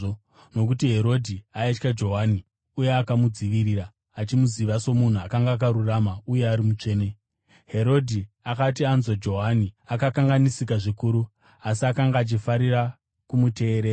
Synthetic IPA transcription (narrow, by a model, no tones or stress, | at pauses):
no̞k̬utiɦe̞ɾo̞dʱiaet͡ʃkad͡ʒo̞ɦaːni | uje̞akamud͡ziʋiɾiːɾaː | t͡ʃimuziʋaso̞mun̤uakaŋɡaːk̬aɾuramauje̞aɾimut͡ʂe̞ːne̞ | ɦe̞ɾo̞dʱi | akatianzod͡ʒo̞ɦaniakakaŋɡanisikaʐikuːɾu | asiakaŋɡaːt͡ʃifaɾira | kumute̞ːɾe